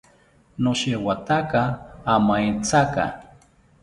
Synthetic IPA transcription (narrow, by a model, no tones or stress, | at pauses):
noʃewat̪akaːmajt͡saka̰